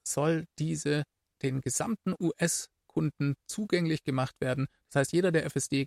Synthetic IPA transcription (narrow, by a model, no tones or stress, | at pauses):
z̥ɔld̥iːzə | d̥eːnɡəza̰mtn̩ʔuːʔɛs | kʰʊndn̩t͡suːɡɛŋlɪçɡ̥əmaχtv̥eːɐdn̩d̥ashaɪstjeːɾɐdeːɐʔɛfɛsd̥eː